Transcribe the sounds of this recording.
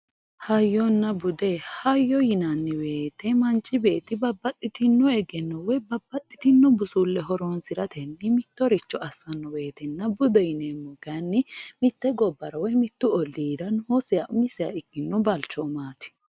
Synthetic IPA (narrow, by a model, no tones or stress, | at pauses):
hɐjːɔnːɐbʊd̪ɛhɐjːɔjɪnɐnːɪwe̞ːt̪ːɛmɐnt͡ʃʼːɪbe̞ːt̪ːɪbɐbːɐt̪ʼːɪt̪ɪnːɔɛɡɛnːɔwɔbɐbːɐt̪ʼːɪt̪ɪnːɔbʊsulːɛɦɔɾɔnsɪɾɐt̪ɛnːɪmɪt̪ːɔɾɪt͡ʃːɔɐsːɐnːɔwe̞ːt̪ɛnːɐbʊd̪ɛjɪnemːɔɡanːɪmɪt̪ːɛɡɔbːɐɾɐwɔjmɪt̪ːʊɔlːiːd̪ɐnʊhosɪjɐʔʊmɪsɪja̰ɪɡɪnːɔbɐlt͡ʃːɔmaːt̪ɪ̥